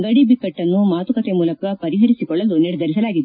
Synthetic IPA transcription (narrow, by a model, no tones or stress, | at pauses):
ɡɐɽibikːɐʈːɐnːumaːt̪ukɐt̪emuːlɐkɐpɐɾiɦɐɾisikɔɭːɐluniɽɛd̪ɐɾisɐlaːɡid̪e